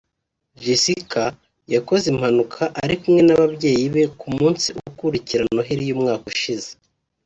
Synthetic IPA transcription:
visika | jako̞zimhanukʰaʔaɾikumŋe̞naβabjɟe̞ːjiβe̞kumuːnsiuɡukuɾiciɾano̞ɦiɾijumŋaːkuʃize̥

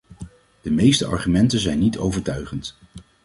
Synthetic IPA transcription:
d̥əmejstəʔɑ̰ɹχymɛntənzɛjnːitʰo̰wvəɹtœɥχənt

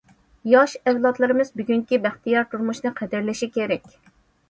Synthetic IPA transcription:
jɑʃɛwlˠɑt̪lˠɨɾɨmɨzbyɡʲyŋkʲibæχt̪ijɑɾt̪ʰuɾmuʃnɨqʰɛd̪ɪɾlɪʃikʲeɾɛkʲ

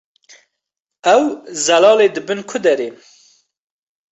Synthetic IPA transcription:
ɛwzɐlɑːleːd̪ɨbɨnkʰʊd̪ɛɾe

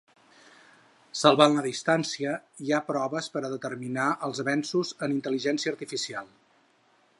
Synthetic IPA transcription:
səlˠβanləðist̪ansiəiapɾɔβəspəɾəðət̪ərminaʔəlˠzβɛnsuzənint̪əliʒɛnsiəːɾt̪ifisialˠ

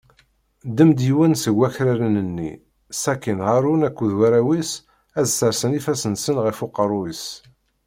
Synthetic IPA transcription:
d̪əmd̪jiwənsəɡʷːæçɾæɾənənːḭ | sækːinʁaɾunækʷːuðwæɾæwis | æzsəɾsənifæsənsənʁifʊqːəɾˤuis

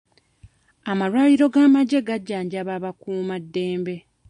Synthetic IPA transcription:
amaɾwaːjiɾo̞ɡaːmaɟe̞ɡaɟːaːɲɟaβaβakuːmadːe̞ːmbe̞

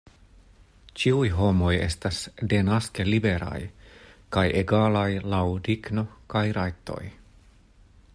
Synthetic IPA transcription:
t͡ʃiujɦo̞mo̞je̞̰stasde̞naske̞libe̞ɾa̰jkajʔeɡalajlawdiɡno̞kajɾajt̪o̞̰j

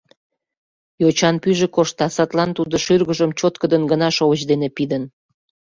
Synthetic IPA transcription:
jot͡ɕɑnpyʒekoʃt̪ɑsɑt̪lɑnt̪ud̪oʃyrɣəʒəmt͡ɕot̪kəd̪ənɡənɑʃoβət͡ɕd̪enepid̪ən

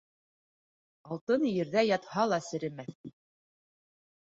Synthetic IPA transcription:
ɑlˠt̪ɤnjɘ̆ɾðæjɑt̪hɑlˠɑsɘ̆ɾɘ̆mæθ

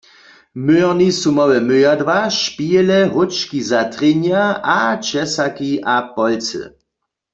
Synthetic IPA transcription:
møɛʁnisumɔwɛmøjadvaʃpiɛlɛɦʊt͡ʃkizatʁeɲjaʔat͡ʃɛsakiʔapɔlt͡sɨ̰

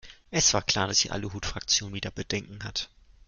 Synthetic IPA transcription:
ʔɛsv̥aːɐkʰl̥aːɐdasd̥ḭːʔa̰ləɦuːtfʁ̥ak̚t͡sjoːnviːdɐb̥ədɛŋkŋ̩hat

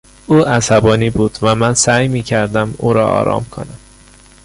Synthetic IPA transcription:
ʔuːæsæbɒːniːbuːd̪̥væmænsæːjmiːcʰæɾd̪æmuːɾɒːɒ̰ːɾɒ̰ːmkʰo̰næm

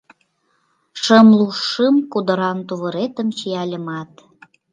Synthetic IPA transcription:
ʃəmluʃːəmkud̪ə̆ɾɑnt̪uβəɾet̪əmt͡ɕiɑlʲəmɑt̪

